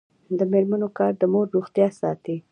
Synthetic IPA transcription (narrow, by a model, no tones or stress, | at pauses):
d̪əmeɾmanokɑɾd̪əmoɾːoxt̪jɑsɑt̪i